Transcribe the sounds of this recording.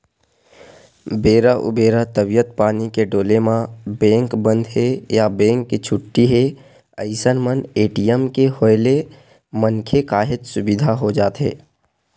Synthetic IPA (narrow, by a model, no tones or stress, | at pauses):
beːɾaʔʊ̰beːɾat̪əbjət̪̚paːnikeɖoːlemãbɛ̃ːŋkbə̃nd̪ʱɦejabɛ̃ːŋkːit͡ʃʰʊʈːiɦe | əɪsənməneːʈijəmkeɦoːjle | mənkʰekaːɦɪt̪sʊbɪd̪ʱaɦod͡ʒaːt̪ɦḛː